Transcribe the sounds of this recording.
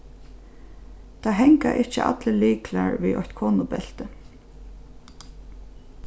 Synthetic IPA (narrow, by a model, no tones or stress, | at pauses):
t̪ʰaːɦɛŋkaʔɪht͡ʃɪʔa̰t̪ləliːkʰla̰ɹʋḭʔɔ̰çt̪kʰoːnʊbɛl̥t̪ə